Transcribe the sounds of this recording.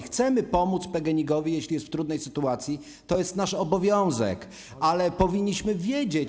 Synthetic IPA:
xt̪sɛmɘpɔmut̪spɛɡɛɲiɡɔvʲijɛɕlʲijɛst̪ft̪ɾud̪nɛjsɘt̪uat̪sʲji | t̪ɔjɛst̪naʂɔbɔvʲjɔ̃w̃zɛ̰k | alɛpɔvʲiɲːiɕmɘvʲjed͡ʑe

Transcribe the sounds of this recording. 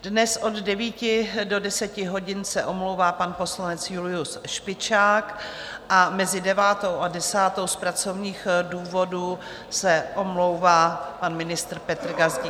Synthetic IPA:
dnɛsʔo̞ddɛviːcɪdo̞dɛsɛcɪɦo̞ɟɪnsɛʔo̞mlowvaːpanpo̞slanɛt͡sjulɪusʃpɪt͡ʃaːk | ʔamɛzɪdɛvaːt̪o̞wʔadɛsaːt̪o̞wspɾat͡so̞vɲiːxduːvo̞du | sɛʔo̞mlo̞wvaːpanmɪnɪst̪ɾ̩pɛt̪ɾɡazɟɪ

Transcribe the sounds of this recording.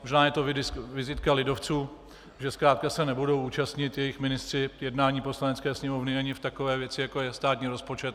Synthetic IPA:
moʒnaːjɛt̪o̞vɪɪsvɪzɪt̪kalɪdo̞ft͡suː | ʒɛskɾaːt̪̚kasɛnɛbudo̞wʔuːt͡ʃast̪ɲɪt̪jɛjɪxmɪnɪst̪r̥ɪjɛdnaːɲiːpo̞slanɛt͡skɛːsɲɛmo̞vnɪaɲɪft̪akovɛːvjɛt͡sɪjakojɛst̪aːt̪ɲiːɾo̞spo̞t͡ʃɛt̪

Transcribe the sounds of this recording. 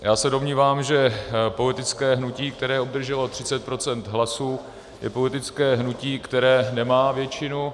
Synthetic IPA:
jaːsɛdo̞mɲiːvaːmʒɛpo̞lɪt̪ɪt͡skɛːɦnuciːk̚t̪ɛɾɛːʔob̚d̪r̩ʒɛlo̞t̪r̝̥ɪt͡sɛt̪̚pɾo̞t͡sɛnt̪ɦlasuː | jɛ̰po̞lɪt̪ɪt͡skɛːɦnuciːkt̪ɛɾɛːnɛmaːvjɛt͡ʃɪnu

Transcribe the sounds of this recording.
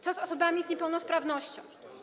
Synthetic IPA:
t̪sɔzɔsɔbamʲizɲɛpɛwnɔspɾavnɔɕt͡ɕɔ̰̃w̃

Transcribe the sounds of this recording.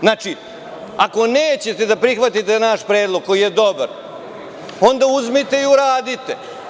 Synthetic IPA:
znat͡ʃi | ako̞neːt͡ɕe̞t̪e̞d̪apɾixʋat̪it̪enaʃpɾe̞ːd̪lˠoɡ̚kːo̞jijed̪o̞ba̰ɾ | o̞nd̪auzmit̪e̞iuɾaːd̪it̪e

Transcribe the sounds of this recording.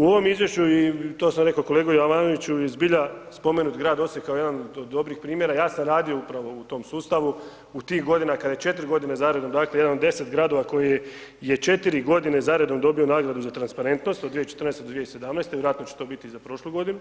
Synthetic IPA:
uo̞ʋo̞mizʋje̞ʃt͡ɕuit̪o̞ːsamɾe̞kokole̞ːɡojoaʋaːnoʋit͡ɕujezbiʎaspo̞menut̪ɡɾaːd̪o̞sjekaoje̞d̪anod̪od̪ːo̞bɾixpɾiːmjeɾajaːsamɾaːd̪io̞upɾaʋo̞ut̪o̞ːmsuːst̪aʋu | ut̪iːxɡo̞d̪inakad̪ajet͡ʃe̞t̪ɾʲɡo̞d̪inezaɾed̪o̞md̪aːkleje̞d̪anod̪ːe̞se̞t̪ɡɾaːd̪o̞ʋako̞je | je̞t͡ʃe̞t̪iɾiɡo̞d̪ine̞zaɾed̪o̞md̪o̞bionaːɡɾad̪uzat̪ɾanspaɾe̞nt̪no̞st̪od̪ʋijet͡ʃet̪rnest̪d̪od̪ʋijese̞d̪amnɛːst̪e̞ʋjeɾat̪no̞t͡ɕe̥t̪o̞ːbit̪izapɾo̞ʃloɡo̞d̪inu

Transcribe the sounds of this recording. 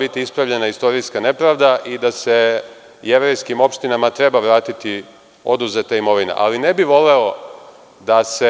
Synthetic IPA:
bit̪iispɾaʋʎe̞naist̪o̞ɾijskane̞pɾaːʋd̪aʔid̪ase̞ | je̞ʋɾejskimo̞pʃt̪inamat̪ɾe̞baʋɾaːt̪it̪i | o̞̰d̪uzet̪aimo̞ʋinḛʔa̰line̞biʋo̞le̞o̞ | d̪ase

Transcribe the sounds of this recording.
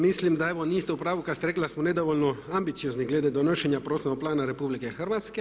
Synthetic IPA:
mislimd̪aɛʋoniːst̪ɛupɾaːʋukast̪eɾeklasmoned̪oʋolʲnɔambit̪sijozniɡled̪ed̪onoʃɛnjapɾosonok̚plaːnaɾepuːblikexərʋat̪ske

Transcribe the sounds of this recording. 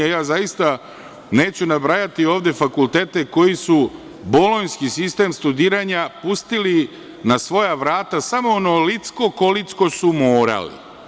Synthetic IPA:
ajaːzajist̪a | ne̞ːt͡ɕunabɾajat̪io̞ːʋd̪e̞fakulˠt̪e̞ːt̪e̞ko̞jisu | bolˠo̞jnskisist̪e̞ːmst̪ud̪iːɾaɲapust̪ili | nasʋo̞jaʋɾaːt̪asamo̞onolit̪sko̞ko̞lit̪sko̞sumoːɾa̰lḭ

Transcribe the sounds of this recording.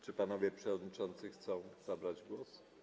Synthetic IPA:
t͡ʂɘpanɔvʲjɛpʂɛvɔd̪ɲit͡ʂɔnt̪sɘxt̪sɔ̃w̃z̥abɾad͡ʑɡwɔs

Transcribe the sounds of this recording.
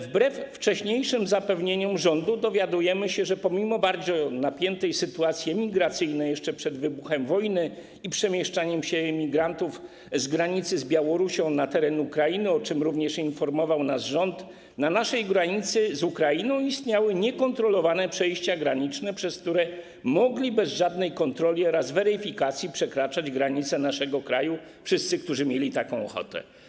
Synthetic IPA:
vbɾɛfːt͡ʂɛɕɲejʂɘmzapɛvɲeɲɔmʐɔnd̪ud̪ɔvʲjad̪ujɛmɘɕɛʐɛpɔmʲimɔbaɾd͡zɔnapʲjɛnt̪ɛjsɘt̪uat̪sʲjɛmʲiɡɾat̪sɘjnɛjɛʂt͡ʂɛpʂɛd̪vɘbuxɛmvɔjnɘ | ipʂɛmʲjɛʂt͡ʂaɲɛmɕɛmʲiɡɾant̪uf | zɡɾaɲit̪sɘzbʲjawɔɾuɕɔ̃w̃nat̪ɛɾɛnuukɾainɘɔt͡ʂɘmɾuvɲɛʂinfɔɾmɔvawnasʐɔnt̪ | nanaʂɛjɡɾaɲit̪sɘzukɾainɔ̃w̃ist̪ɲawɘɲɛkɔnt̪ɾɔlɔvanɛpʂɛjɕt͡ɕaɡɾaɲit͡ʂnɛpʂɛsk̚t̪uɾɛ | mɔɡlʲibɛzʐad̪nɛjkɔnt̪ɾɔlʲiɔɾazvɛɾɘfʲikat̪sʲjipʂɛkɾat͡ʂad͡ʑɡɾaɲit̪sɛnaʂɛɡɔkɾaju | fʂɘst̪sɘkt̪uʐɘmʲjelʲit̪akɔ̃w̃ɔ̰xɔ̰t̪ɛ̰

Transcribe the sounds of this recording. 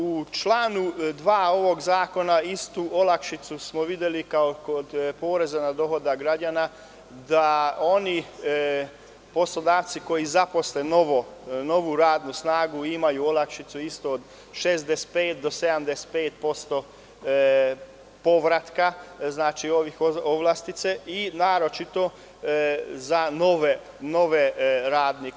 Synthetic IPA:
ut͡ʃlˠaːnud̪ʋaːo̞ʋo̞ɡzaːko̞naist̪uo̞lakʃit̪susmo̞ʋid̪je̞likaokod̪poːɾezanad̪o̞ɦo̞d̪aɡɾad͡ʒana | d̪ao̞ni | po̞slo̞d̪aːʋt̪siko̞jizapo̞slenoʋono̞ʋuɾaːd̪nusnaːɡuimajuolakʃit̪suist̪oːd̪ | ʃesd̪ese̥t̪̚peːt̪̚d̪o̞sed̪amd̪ese̥t̪̚peːt̪̚po̞st̪o̞ | po̞ʋɾat̪kaznaːt͡ʃio̞ʋixoʋlˠast̪it̪seinaːɾo̞t͡ʃit̪o̞ | zanoʋe | no̞ʋeɾaːd̪ni

